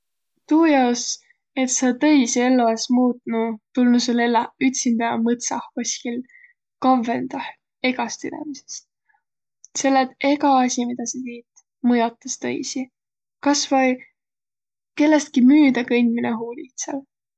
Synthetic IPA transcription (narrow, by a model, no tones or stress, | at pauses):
t̪uːjɑos | e̞t̪sɑt̪ɤjsie̞lːoesmuːt̪nut̪ulnuselelːɑyt̪ʲsind̪̥ɑjɑmɤt̪sɑhkosʲkil | kɑvːe̞nd̪̥ɑh | e̞ɡɑst̪yd̪ḛmise̥st̪ | se̞lːet̪e̞ɡɑɑsʲimid̪̥ɑset̪iːt̪ | mɤjot̪ːˑɑst̪ɤ̰jsi | kɑsvɑj | ke̞lːest̪̚kimyːd̪̥ɑkɤjnʲmineɦuːlit̪sel